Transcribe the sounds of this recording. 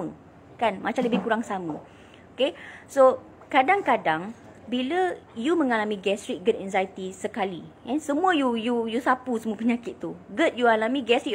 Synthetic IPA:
ə | kanmat͡ʃamləbɪhkuɾaŋsamə | okeso | kadaŋkadaŋ | biləjumə̃ŋalamĩɡɛsɾik̚ɡətɛnzajt̪isəkalḭʔɛnsəmũəjujujusapusəmũəpəɲakɪt̪̚t̪ːuɡət̪̚jualamĩɡɛsɾi

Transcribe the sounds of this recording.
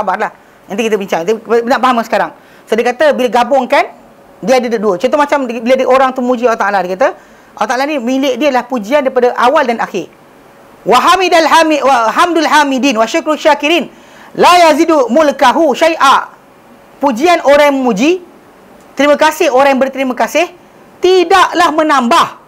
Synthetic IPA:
sabarlah | ənt̪ikit̪əbiɲt͡ʃaŋnaʔpaɦamasəkaɾaŋ | sodiəkat̪əbilaɡabʊŋkan | diəadədəduət͡ʃɔnt̪̬omat͡ʃambiladiʔoɾaŋt̪uməmũd͡ʒialaht̪aʔladiekat̪a | ʔalaht̪aʔlanĩmilɪʔdiəlahpud͡ʒiandaɾipadaʔawaldanaxɪr | waɦamidalamiwaɦamdalɦamidiːnwaʃakɾʃakiɾin | lajazidumulkaɦuʃajʔaʔ | pud͡ʒianoɾajaməmũd͡ʒi | t̪əɾimə̃kasɪhoɾaŋjabərt̪əɾimãkasɪh | t̪idaʔlahmə̃nãmbah

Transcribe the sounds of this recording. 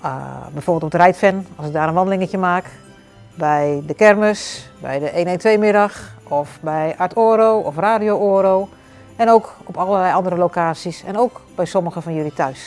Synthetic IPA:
bɛjforbɪlˠtɔpədrɛjtfɛnɑlsɪk̚daːɾənʋɔndəlɪŋəcəmaːk | bɛjdəkɛrməsbɛ̰jdəʔeːneːntʋejmɪɾɔxɔfbɛjaɹtʰoːɾowɔfraːdijooːɾow | ɛnoːkɔpɑlˠəlɛjʔɑndəɾəlokaːsisɛ̰nowkb̥ɛjsɔməxəfɔnjølitʰœɥs

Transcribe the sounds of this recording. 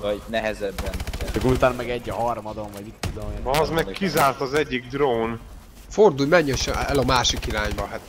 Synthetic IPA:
vɒɟnɛɦɛzɛbːɛnt͡ʃɒkːoɾut̪aːnɒmɛɡɛɟːɒɦɒrmɒd̪oɱvɒɟmit̪ːud̪omɒzmɛkkːizaːrt̪ɒzɛɟːiɡ̚d̪roːn | ford̪ujmɛɲːɒʃɛɛlɒmaːʃikiɾaːɲbɒɦat̪

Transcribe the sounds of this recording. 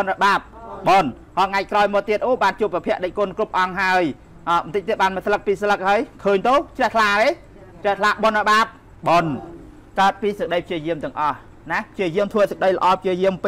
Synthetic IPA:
onrɔɓaːp̚ɓoːn | hɑːŋac̚kraɔjmɔːt̪ːiət̪ʔoːɓaːnt͡ɕuəpːapʰɛ̆əʔɗəc̚kŏənkrup̚ʔɑŋɦaəj | ʔɑːɓnt̪ɨc̚t̪iət̪̚ɓaːnmətsʰlək̚piːsələk̚haəjkʰəːɲt̪ot͡ɕrɛəht̪ʰlaːɾe | t͡ɕrɛht̪ʰlaːʔɓonrəɓaːp̚ | ɓoːn | kaət̪̚piːsək̚ɗəjpʰt͡ɕiəjiəmt̪ɛ̆əŋʔɑh | napʰt͡ɕiəjiəmt̪ʰʋəːsək̚ɗəjlə̆ʔɑːpʰt͡ɕiəjiəmp

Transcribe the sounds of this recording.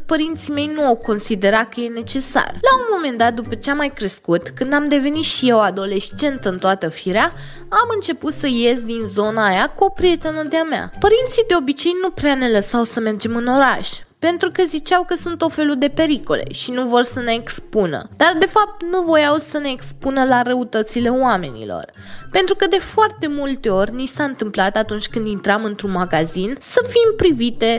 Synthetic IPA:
pəɾint̪sime̞jnuawko̞nsid̪e̞ɾat̪̚kəje̞ne̞t͡ʃe̞sa̰rlaunmo̞me̞nd̪at̪̚d̪upət͡ʃeamajkɾe̞skut̪kɨnd̪amd̪e̞ve̞nit̪ʃije̞wad̪o̞le̞st͡ʃe̞nt̪ɨnt̪oat̪əfiɾea | amɨnt͡ʃe̞put̪səje̞zd̪inzo̞naːjakupɾije̞t̪e̞nəd̪eamea̰pəɾint̪sid̪e̞o̞bit͡ʃe̞jnupɾeane̞ləsawsəme̞rd͡ʒe̞mɨno̞ɾaʃʲ | pe̞nt̪ɾukəzit͡ʃawkəsunt̪ːot̪fe̞lud̪e̞pe̞ɾiko̞̰le̞̰ʃinuvo̞rsəne̞ːkspunə̰d̪̥ard̪e̞fap̚t̪nuvo̞jawsəne̞ːkspunəlaɾəut̪ət̪sile̞oame̞̰nḭlo̰r | pe̞nt̪ɾukəd̪e̞foart̪e̞mult̪e̞o̞rʲnisaɨnt̪ɨmplat̪at̪unt͡ʃʲkɨnd̪int̪ɾamɨnt̪ɾunmaɡazinsəfimpɾivit̪e̞

